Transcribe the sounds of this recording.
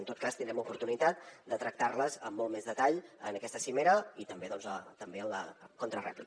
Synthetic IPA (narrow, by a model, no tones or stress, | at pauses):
ənt̪ot̪̚kast̪ind̪ɾɛmupuɾt̪unit̪at̪̚d̪ət̪ɾək̚t̪arləzəmːɔlˠmezðət̪aʎə̰nəkɛst̪əsimeɾəit̪əmbeðɔnzət̪əmbeəlləkont̪ɾərɛ̰pli